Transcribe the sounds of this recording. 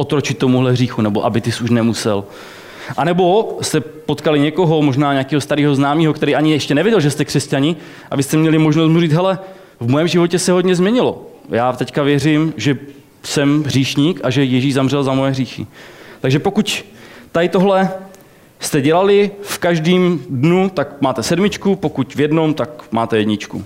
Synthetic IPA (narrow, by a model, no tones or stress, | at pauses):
ʔot̪ɾot͡ʃɪt̪ːo̞muɦlɛɦriːxunɛbo̞ʔabɪt̪ɪsuʃnɛmusɛ̰l | ʔanɛbo̞st̪ɛpo̞t̪kalɪɲɛko̞ɦo̞mo̞ʒnaːɲɛakiːɦost̪aɾiːɦo̞znaːmiːɦo̞kt̪ɛɾiːʔaɲɪjɛʃcɛnɛvjɪɛɟɛlʒɛst̪ɛkr̥ɛscaɲɪ | ʔa̰vɪst̪ɛmɲɛlɪmo̞ʒnost̪muriːt͡sɦɛlɛ | vmojɛmʒɪvocɛsɛɦodɲɛzmɲɛɲɪlo̞̰jaːt̪ɛckavjɛrɪmʒɛ | sɛmɦriːʃɲiːkaʒɛjɛʒiːʒzamr̝ɛlzamojɛɦriːxɪ̰t̪aɡʒɛpokuct̪ajt̪o̞ɦlɛ | st̪ɛɟɛlalɪfkaʒdiːmdnut̪akmaːt̪ɛsɛdmɪt͡ʃkupo̞kucvjɛdno̞mt̪akmaːt̪ɛjɛdɲɪt͡ʃkṵ